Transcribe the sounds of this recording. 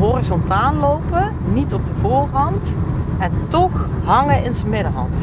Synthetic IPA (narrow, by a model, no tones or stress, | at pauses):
ɦɔrizɔntaːllowpə | nitɔb̚dəvʊːrɦɑntɛntɔχɦɑŋəɪnzəmɪdəɹɦɑ̰nt